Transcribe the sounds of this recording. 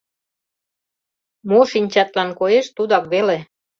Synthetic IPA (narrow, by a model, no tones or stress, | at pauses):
moʃinʲt͡ɕɑt̪lɑnkojeʃt̪ud̪ɑkβele